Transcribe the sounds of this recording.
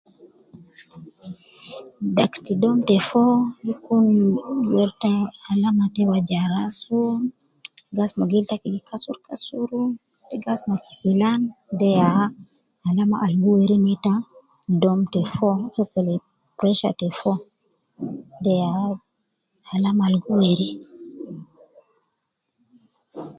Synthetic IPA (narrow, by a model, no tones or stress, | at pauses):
daktidɔmtɛfɔjikunwɛɾtahalamatɛwad͡ʒaɾasɔ | ɡasmaɡiltakiɡikʰasuɾkasuɾu | tɛɡasmaki̥silandɛja | halamaʔalɡuweɾinɛta | dɔmtɛfɔsɔkɛlɛ | pɾɛʃa̰tɛfɔ | dɛja | halamaalɡuweɾi